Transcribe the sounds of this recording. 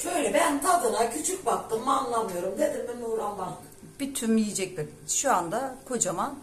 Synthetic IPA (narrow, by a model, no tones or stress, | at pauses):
ʃøjlʲɛbænt̪ʰad̪ɯnacʰyt͡ʃʰyc̚bak̚t̪ʰɯmːnlˠamɯjo̞ɾumd̪ed̪iɾbeiuɾanbat̪ɯ | b̥it̪ʰymijid͡ʒɛc̚bɛkʃuand̪akʰod͡ʒama